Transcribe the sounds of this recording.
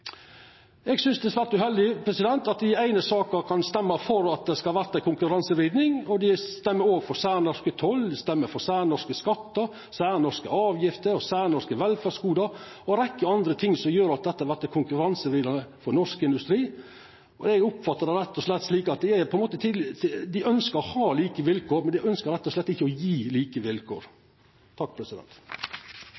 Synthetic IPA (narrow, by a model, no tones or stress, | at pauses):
ɛɡsʏnsd̪ɛsʋæːɾt̪ʉhɛld̪ɪpʰɾɛsɪd̪ɛnt̪ɑt̪̚d̪ɪæɪnəsɑːkəɾkʰɑnst̪ɛmːəɾfɔɾɑt̪̚d̪ɛskɑlʋæɾt̪ækʊŋkʉɾɑnsəɾiːd̪nɪŋɔd̪ɪt̪ɛmːəɾoːɡfɔɾsæːɾnɔʂkət̪ʰɔld̪ɪst̪ɛmːəɾfɔɾsæːɾnɔʂkəskɑt̪ːəɾ | sæːɾnɔskəɑːʋjɪft̪əɾɔsæːɾnɔskəʋɛlfæːʂkuːd̪ɑɾɔɾɛkːəɑnd̪ɾət̪ʰɪŋːsɔmjøːɾɑt̪̚d̪ɛt̪ːəhɑʋæt̪ːəkʰʊŋkʉɾɑnsəɾɪːd̪ɑnəfɔɾnɔʂkɪnd̪ʉst̪ɾiː | ɔɛɡʊpfɑt̪ːəd̪ɛɾɛt̪ːɔʂlɛt̪ːʂliːkɑt̪̚d̪ɛæɾpʰɔɛnmoːt̪ət̪ʰɪld̪ɪœnskəɾɔhɑːliːkəʋɪlkʰoːɾmɛnd̪ɪœnskəɾɛt̪ːɔslɛt̪ːɪçːəɔjiːliːkəʋɪlkʰo̰ːɾ | t̪ʰɑk̚ːpʰɾɛsɪd̪ɛ̰nt̪